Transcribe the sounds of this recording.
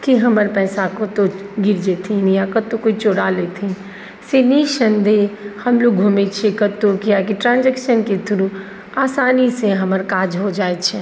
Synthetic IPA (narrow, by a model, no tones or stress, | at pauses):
kiɦəməɾpɛːsakot̪oɡɪɾd͡ʒet̪ʰinjakət̪okoit͡ʃoɽaleːt̪ʰin | seniʃənd̪ehɐmloːɡ̚ɡʱumet͡ʃʰekət̪ːokijakiʈɾãːnd͡ʒɛkʃənket̪ʰʊɾu | aːsaːniseɦəməɾkaːd͡ʒɦod͡ʒaːet͡ʃʰɛ